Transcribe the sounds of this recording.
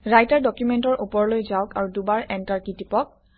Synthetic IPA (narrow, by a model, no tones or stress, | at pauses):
ɹajtaɹdɔkjumɛntɔɹʔupɔɹlojzaʊkaɹudubaɹɛntaɹkitipɔk̚